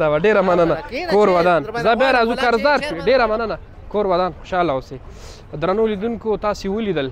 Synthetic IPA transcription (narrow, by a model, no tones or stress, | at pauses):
awaɖeɾamɐnənakoːɾwɐd̪ɑːnzabaɾaːzukaɾzd̪aːɾʃuɖeɾamɐnəna | koːɾwɐd̪aːnxʊ̥ʃɑːlaose | d̪ɾanolid̪unkot̪ɑːsiwulid̪əl